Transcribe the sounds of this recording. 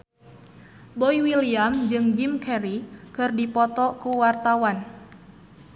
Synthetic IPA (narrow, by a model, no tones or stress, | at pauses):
bɔiwiliamd͡ʒɨŋd͡ʒimkʰɛɾikɨrdipɔt̪ɔkuwart̪awan